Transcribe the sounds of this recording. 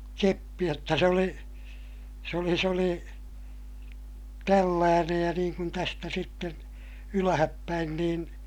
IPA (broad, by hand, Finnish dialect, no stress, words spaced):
kepːi jotːɑ se oli s oli s oli tælːæːnej jɑ niːŋ kun tæstæ sitːen ylæhæpːæin niːn